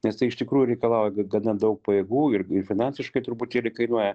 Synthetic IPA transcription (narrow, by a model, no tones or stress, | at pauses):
nʲɛst̪ɐɪɪʃt̪ʲɪkɾuːjʊɾʲɛɪkɐlˠɑˑʊjɛɡɡɐnɐd̪ɐʊk̚pɐjeːɡuːɪrɪrfʲɪnɑnʲsʲɪʃkɐɪt̪ʊɾpʊt̪ʲiːlʲɪkɐɪnuɔjɛ